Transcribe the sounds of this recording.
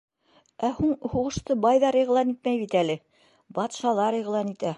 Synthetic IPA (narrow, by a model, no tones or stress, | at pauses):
æhuɴhuʁɤ̆ʃt̪ɤbɑjðɑɾiʁlˠɑnit̪̚mæjβit̪ælɘ | bɑt̪ʃɑlˠɑɾiʁlˠɑnit̪æ